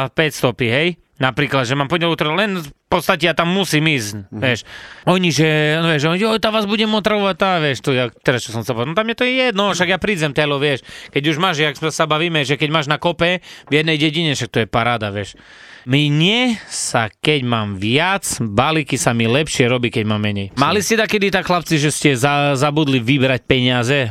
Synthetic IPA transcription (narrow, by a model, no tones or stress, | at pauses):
pɛcst̪ɔpiɦɛj | napɾiːklad̪ʒɛmaːmpɔɲɛlut̪ɾalɛnpɔt̪st̪acɛjat̪amːusiːmiːzʋɪɛʃɔɲiʒɛʋjɛʒɛɔɲɔt̪aʋaːzbuɟɛmɔt̪ɾaʋɔʋact̪aʋjɛʃt̪ɔjat̪ɛɾast͡ʃɔs̬ɔmsɛlpɔnɔt̪amjɛt̪ɔɛjɛd̪nɔʃaɡjapɾiːd͡zɛmt̪ɛlɔʋɪɛʃkɛɟuʒmaːʒʒɛaksɛsabaʋiːmɛʒɛkɛɟmaːʒnakɔpɛvjɛd̪nɛjɟɛɟiɲɛʃak̚t̪ɔjɛpaɾaːd̪aʋjɛʃ | miɲɛsakɛɟmaːmʋɪat͡sbalikisamilɛpʃɪɛɾɔbiːkɛɟmaːmːɛɲɛjmaliscɛd̪akɛd̪it̪akxlapt͡siʒɛscɛzazabud̪liʋibɾac̚pɛɲɪazɛ